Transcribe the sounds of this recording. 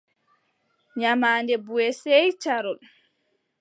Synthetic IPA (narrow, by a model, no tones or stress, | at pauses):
ɲamaːndɛbuɛsɛjt͡ʃaɾɔl